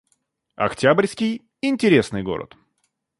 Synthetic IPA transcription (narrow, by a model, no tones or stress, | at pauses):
ɐ̰ktʲabrʲsʲkʲɪj | ɪnʲtʲɪɾʲesnɨjɡo̞̰ɾə̰t̪